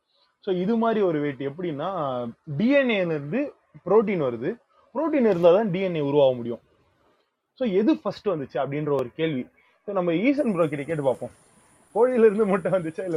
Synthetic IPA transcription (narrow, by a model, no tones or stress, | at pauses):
soːɪðɯmaːd̪ɾiɔɾɯʋeːʈːɯɛp̬ːɐɽɪnːaːɖiːɛnelɪɾɯnd̪ɯ | pɪɾoːʈ̬iːnʋɐɾɯðɯ | pɪɾoːʈ̬iːnɪɾɯnd̪aːt̪ãːɖiːɛneːʊɾʊʋaːʋɐmʊɽɪjʊ̃ː | soːɛðɯfɐsʈːɯʋɐnd̪ɯt͡ʃːɯɐpːɐɽɪnɾɐɔɾɯkeːɭʋi | soːnɐmːɐiːs̬ɐnbɾoːk̬ɪɾɐjɐkeːʈ̬ːɯpaːpõː | koːɻɪɪlɪɾɯnd̪ɯmɐʈːɐ̃ʋɐnd̪ɯt͡ʃːaɪlːɐ